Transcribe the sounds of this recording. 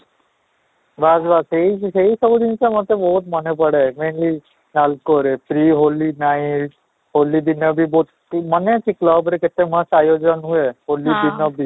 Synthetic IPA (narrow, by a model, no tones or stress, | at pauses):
baːd͡ʒbaːseiseisəbd̪insemɐ̃t̪ebɔːt̪mɐnepəɽemeːnli | naːlkoːɾepʰɾiːɦoːlinaːĩ | ɦoːlib̪ɪnəbʱiboːt̪ | mɐnẽt͡ʃikləbɾekɪt̪ːemɐ̃saːjoːd͡ʒənɦuehoːlib̪ɪnəbʱi